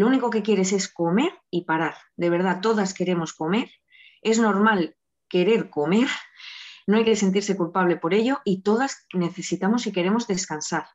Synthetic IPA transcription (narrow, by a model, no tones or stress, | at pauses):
louniko̞ke̞kje̞ɾe̞s̬e̞sko̞me̞ɾipaɾaɾ | d̪e̞β̞e̞ɾð̞at̪o̞ðaske̞ɾe̞mo̞sko̞me̞ɾ | e̞zno̞ɾmal | ke̞ɾe̞ɾko̞me̞ɾ | noajke̞se̞nt̪̬iɾse̞kulpaβ̞le̞po̞ɾe̞ʎo̞it̪o̞ð̞asne̞θe̞sit̪amo̞sike̞ɾe̞mo̞zðe̞skansaɾ